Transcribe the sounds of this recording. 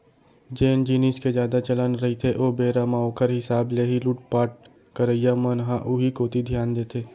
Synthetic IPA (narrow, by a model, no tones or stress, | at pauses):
d͡ʒeːnd͡ʒiːnisked͡ʒjaːd̪at͡ʃɐlənɾɐɦit̪ʰeʔoːbeːɾamaːokəɾɦɪsaːbleːɦiluːʈ̚paːʈ̚ | kəɾəijamənɦãʔuɦikoːt̪id̪ʱjaːnd̪eːt̪ʰeː